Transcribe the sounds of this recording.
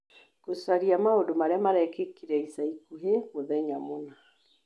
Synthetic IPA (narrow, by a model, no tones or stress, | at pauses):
kosaɾiamaodomaɾeamaɾɛkekiɾɛisaikuɦemoðɛɲamona